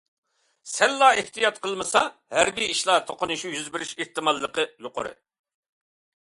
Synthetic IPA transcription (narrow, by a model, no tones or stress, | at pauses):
sɛlːɑːeht̪ʰijɑt̪̚qʰəlˠmɨsɑhæɾbiiʃlˠɑt̪ʰoqʊnɨʃujyzbɪɾɪʃeht̪ɨmɑlˠːəqəjoqʊ̰ɾɨ̰